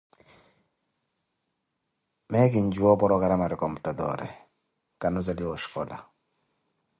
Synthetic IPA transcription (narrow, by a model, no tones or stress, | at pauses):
mɛkɪɲd͡ʒwɔpɔɾɔkaɾamaɾɪkɔmbutadɔ̰ɾɛ̰ | kanɔs̬aliwɔʃfɔla̰